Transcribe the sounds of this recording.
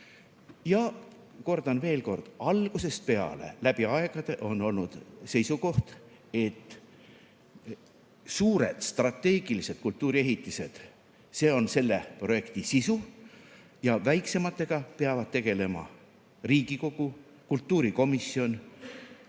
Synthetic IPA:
jɑ | ko̞rd̪̥ɑnve̞ːlko̞rd̪̥ɑlɡ̥use̞st̪̚pe̞ɑ̰le̞̰læb̥iɑe̞ɡ̥ɑd̪̥e̞ʔo̞no̞lnud̪̥se̞jsuko̞ht̪ | e̞t̪ːˑ | suːɾe̞d̪̥st̪rɑt̪ːˑe̞ːɡ̥ilise̞d̪̥kult̪ːˑuːɾie̞ɦit̪ːˑise̞d̪̥ | se̞ːo̞nse̞lːe̞pro̞je̞kt̪isisu | jɑvæjkse̞mɑt̪ːˑe̞ɡ̥ɑpeɑvɑd̪̥̚t̪e̞ɡ̥e̞le̞mɑ̰ | riːɡiko̞ɡ̥u | kult̪ːˑuːɾiko̞misːio̞n

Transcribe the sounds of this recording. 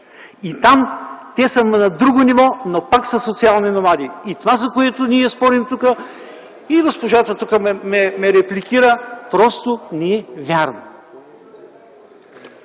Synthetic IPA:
it̪amt̪ɛsəmnɐd̪ɾuɡonivɔnopaksɐsot̪sialˠninomad̪iit̪ovazɐkoɛt̪ʊniɛspɔɾimt̪ukə | iɡospoʒat̪ət̪ukəmɛmɛmɛɾɛplikʲiɾəpɾɔst̪ʊnɛɛvʲjaɾno

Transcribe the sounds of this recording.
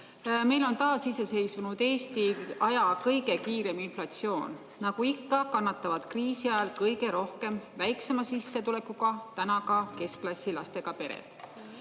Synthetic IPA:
me̞jlo̞nt̪ɑːsisese̞jsvunud̪̥e̞ːst̪iɑjɑkɤjɡe̞kiːɾe̞minflɑt̪sio̞ːn | nɑɡuikːɑkɑnːɑt̪ːˑɑvɑd̪̥kriːsiɑjɑlkɤjɡe̞ɾo̞hke̞mvæjksemɑsisːe̞t̪ule̞kːuɡ̥ɑt̪ænɑkɑke̞sklɑsʲːilɑst̪e̞ɡ̥ɑpe̞ɾḛd̪̥

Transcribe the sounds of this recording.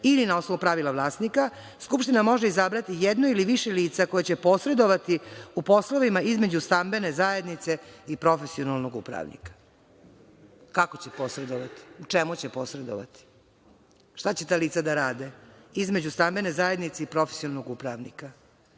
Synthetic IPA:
ilinao̞snoupɾaʋilaʋlˠaːsnika | skupʃt̪inamo̞ʒeizabɾat̪ijed̪noiliʋiʃeliːt̪sako̞jat͡ɕepo̞sɾe̞d̪o̞ʋat̪iupo̞sloʋimaizme̞d͡ʑust̪ambe̞ne̞zaːje̞d̪nit̪se̞ipɾo̞fesionalˠno̞ɡṵpɾa̰ʋnḭkḁ | kakot͡ɕepo̞sɾe̞d̪oʋat̪i̥ut͡ʂemut͡ɕepo̞sɾe̞d̪o̰ʋa̰t̪i̥ | ʃt̪at͡ɕet̪aːliːt̪sad̪aɾaːd̪eizme̞d͡ʑust̪ambe̞nezaje̞d̪nit̪seipɾo̞fesionalnoɡupɾaʋnḭka

